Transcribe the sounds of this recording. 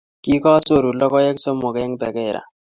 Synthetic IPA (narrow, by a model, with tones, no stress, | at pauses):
ki˦kɔ˦so˦˨ɾu˨lɔ˦kɔ˦e˦kso˦mo˨ke˦ŋbɛ˨ke˦˨ɾa̰˨